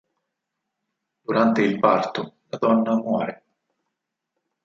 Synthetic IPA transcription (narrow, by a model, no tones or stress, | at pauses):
d̪̥uɾant̪eilpart̪olad̪ɔnːamwɔːɾe